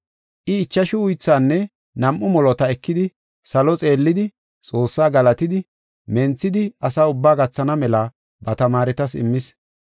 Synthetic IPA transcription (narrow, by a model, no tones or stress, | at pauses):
ʔɪːt͡ʃːɐʃɪʊjt͡sːaːnːɛ | nɐmʔʊmɔlɔt̪ɐɛkːɪd̪ɪ | sɐlɔt͡sʼe̞ːlːɪd̪ɪ | t͡sʼo̞ːsːaːɡɐlɐt̪ɪd̪ɪ | mɛnt͡sːɪd̪ɪɐsaːʊbːaːɡɐt͡sːɐnɐmɛlɐ | bɐt̪ɐmaːɾɛt̪ɐsɪ̰mːɪs